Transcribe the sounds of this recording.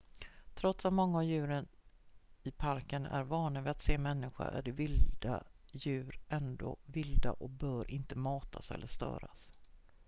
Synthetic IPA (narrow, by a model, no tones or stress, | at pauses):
t̪ʰɾɔt̪samɔŋːaavjʉ̟ːɾən | ɪpʰaɾkənæ̰ɾvɑːnavɪat̪seːmɛnːɪɧa̰ʔæɖɛvɪld̪ajʉ̟ːɾʔɛnd̪o̰ːvɪld̪a̰ʔɔk̚bœːɾʔɪnt̪əmɑːt̪ʰasɛ̰lːəʂt̪œ̰ːɾas